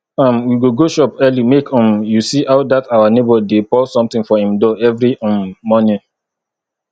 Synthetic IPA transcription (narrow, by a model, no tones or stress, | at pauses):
ãmwiɡoɡoʃɔpɜlimekʰɔ̃mjusiʔaʊdatawanebɔdepɔsɔ̃mt̪ĩŋfɔhĩmdɔɛvɹiɔ̃nːɔnĩ